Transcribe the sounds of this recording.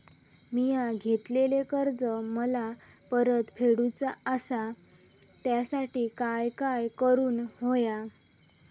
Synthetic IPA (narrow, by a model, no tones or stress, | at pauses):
mijaɡʱet̪lelekəɾd͡zəməla | pəɾət̪fʰeɽut͡saəsa | t̪jasaʈiːkajkajkəɾuːnɦoja